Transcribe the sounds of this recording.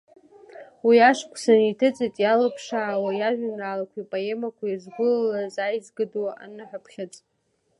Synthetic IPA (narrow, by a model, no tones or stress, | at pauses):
wiaʂkʷʰʼsanitʰɨt͡sʼitʼjalapʰʂaʕwajaʒʷᶣanraːlakʷʰipʼoe̞makʷʰajazɡʷʊllazajzɡɨduaʔa̰nɨħʷapʰχʲat͡sʼ